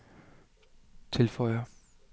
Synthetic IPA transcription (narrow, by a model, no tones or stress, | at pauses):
t͡sʰe̝lfɒɪɐ